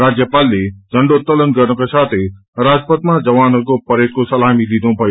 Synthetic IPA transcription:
ɾaːd͡ʑjəpaːlːed͡ʒʱɐ̃ɳɖot̪ɐlənɡɐɾɽ̃õkesaːt̪ʰe | ɾaːd͡ʒpət̪mãd͡ʒɐʋaːnəɾkopɐɾeːt̪̚kosɐlaːmid̪ĩd̪õpɐj

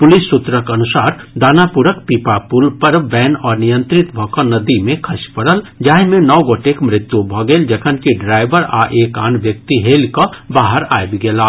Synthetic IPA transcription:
pʊlisːʊt̪ɾəkɐnʊsaːɾd̪aːnapuɾəkpiːpapulpɐɾʋɛːnɔːɾnijə̃nt̪ɾɪt̪bʱɔkanɐd̪imẽkʰɐʃpəɽəld͡ʒaːɦmẽnɔːɡoːʈekmɾɪt̪ːjubʱɐɡeːld͡ʒɐkʰənkiɖɾaːɪbəɾa̰ːʔeːkaːnʋjək̚t̪iɦeːlkabaːɦəɾa̰ːjbiɡelaː

